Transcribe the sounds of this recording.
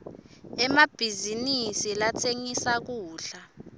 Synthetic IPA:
ɛmab̥ʱizinisilat͡sʰeŋisak̬uːɬa

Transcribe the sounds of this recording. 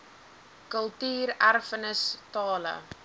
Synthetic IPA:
kəlˠtyːɾærfənəstɑːlə̰

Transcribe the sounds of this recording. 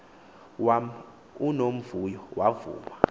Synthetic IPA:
unom̩vujɔwavṵːma

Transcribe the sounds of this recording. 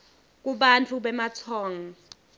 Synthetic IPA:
k̬ʼuɓant͡fʰuɓɛmat͡sʰɔːŋɔ

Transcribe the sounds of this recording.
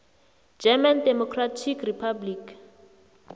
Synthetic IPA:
d͡ʒɛmandɛmɔkʰratʰikripʰablik

